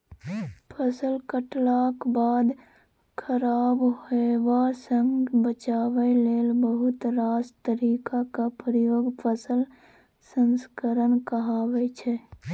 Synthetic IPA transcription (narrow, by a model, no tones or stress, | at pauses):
pʰəsəlkəʈlakbaːd̪ | kʰəɾaːbɦoeebasə̃ŋɡbət͡ʃaːwəleːlbəɦʊt̪ɾaːst̪əɾikakapɾəjoːɡpʰəsəl | sənskəɾənkəɦaːwɛt͡ʃʰɛ